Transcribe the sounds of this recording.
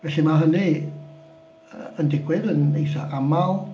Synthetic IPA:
vɛɬimaɦəni | əəndɪɡwɪðənejθɔʔamalˠ

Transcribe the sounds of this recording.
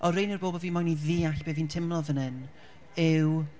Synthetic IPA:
ʔɔrejnərboːbɔviːnmɔjniðiːaɬb̥eːðintʰɪmlˠɔvənɨn | ɪw

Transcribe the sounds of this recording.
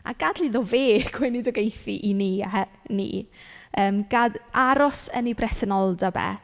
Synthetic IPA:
a̰ɡ̥adliðɔveːɡʰwɛnidɔɡejθiʔiniahɛnḭːəːmɡ̥adaɾɔsənibrɛsɛnɔlˠdabɛ̰

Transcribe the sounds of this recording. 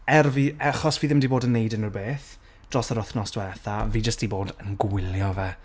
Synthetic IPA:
ɛrviaχɔsviːðɪmdiboːdənːejdənərbeːθ | d̥rɔsəɾɔθnɔstwɛɛθaviːd͡ʒəsd̥iboːdənɡwɪljɔvɛ

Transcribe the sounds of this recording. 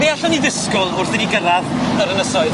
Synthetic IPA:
ejaɬɔniðɪskʊlˠʊrθəniɡəɾaðnaɾənəsɔɨð

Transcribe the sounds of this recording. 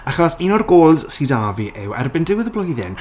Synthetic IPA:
aχɔsinɔrɡoːlˠz̥sidaːviʔɪwɛ̰rbɪndɪwɪðəblɔjðɪn

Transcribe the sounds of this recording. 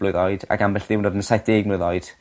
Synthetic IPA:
b̥lˠʊɨðɔɨd̥a̰ɡambɛɬðɪwnodənsajθd̥eːɡ̚nʊɨðɔɨd̥

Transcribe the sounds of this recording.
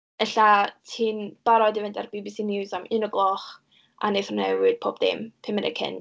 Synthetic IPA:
əɬatʰiːnb̥aɾɔdivɪndarbibisiːnɪwzamʔɨnəɡlˠɔχ | ʔa̰neθrnɛɨd̥̚pʰoːbdɪ̰mpʰɪmənɛ̰kʰɪ̰n

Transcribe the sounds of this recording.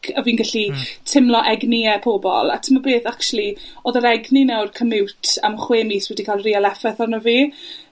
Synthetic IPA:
əviːnɡaɬitʰɪmlˠɔʔɛɡniɛpʰoːbɔ̰lˠa̰tʰəmabeːθakʃulˠioːðəɾɛɡninawrkʰəmɪwtʰamχweːmiswɛdikʰaːlˠrialɛfɛθɔnɔviː

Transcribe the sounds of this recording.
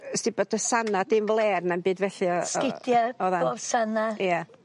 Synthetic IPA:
sd̥ɨbɔdəsanadɪnvlˠeːrnanbɨːdvɛɬɨskɪdjaɔðaovsanaja

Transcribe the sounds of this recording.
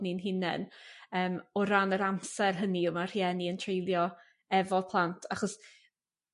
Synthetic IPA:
ninɦɪnɛ̰nəːmɔɾanəɾamsɛrɦəniʊmar̥jɛniəntʰrejlˠjɔ | ɛvɔpʰlˠantʰaχɔs

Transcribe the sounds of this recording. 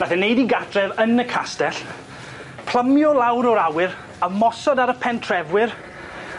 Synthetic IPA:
naθɛnejdiɡadrɛvənəkʰastɛɬ | pʰl̥ˠəmjɔlˠawɾɔɾawɪɾ | əmɔsɔdaɾəpʰɛntʰrɛvwɪr

